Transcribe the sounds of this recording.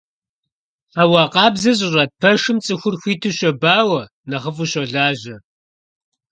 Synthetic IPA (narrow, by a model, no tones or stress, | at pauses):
awɑːqʼɑːbzɐɕ̬ʼɪrɐt̚pʰɐʂɨmt͡sʼɨxʷʊrxʷiːtʰɨɕɔbaːwɐ | nɐχəfuɕɔɮaːʑɐ